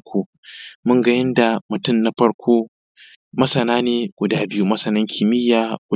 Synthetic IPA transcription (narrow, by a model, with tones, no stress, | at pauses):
kʰʷoː˦ | mʊ˦ŋɡɐ˦jɪ˦nda˨mʊ˨tʊ˦˨mna˦ɸɐ˦ɽkʷoː˦ | mɐ˦sɐ˨naː˦neː˨ɡ̥ʷʊ˨daː˦bɪ˦ju˦mɐ˦sɐ˨nɐ˦ŋkʲʰɪ˨mɪ˦jːaː˦ɡʷʊ˨